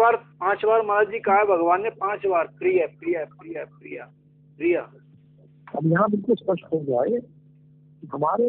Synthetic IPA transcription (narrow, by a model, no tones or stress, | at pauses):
aːɾpãːt͡ʃʋaːɾmɐlaːd͡ʒiːkaːebʱɐɡʋaːnjẽpãːt͡ʃʋaːɾpɾijapɾijap̚ɾijapɾija̰ː | pɾijaː | ɐbjɐɦãbɪlkʊlspɐʃʈɦod͡ʒaːe | k̪iɦɐmaːɾe